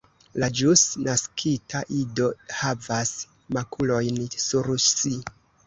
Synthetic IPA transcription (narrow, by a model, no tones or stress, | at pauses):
lad͡ʒusnaskʰitʰaʔido̞havas | makʰulo̞jnsuɾsi